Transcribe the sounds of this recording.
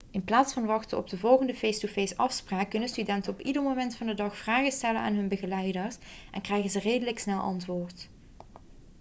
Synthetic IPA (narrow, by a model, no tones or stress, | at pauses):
ɪnplaːtsfɑnʋɑxtəɔ̰b̚dəvɔlˠɣəndəfejstufejsɑfspraːkːɵnənstydɛntənɔpidərmomɛntfɑndədɑxfraːɣəstɛləna̰ːnɦɵnbəɣəlɛjdərsʔɛ̰nkrɛjɣənzəreːdələksnɛlˠʔɑ̰ntʋoːrt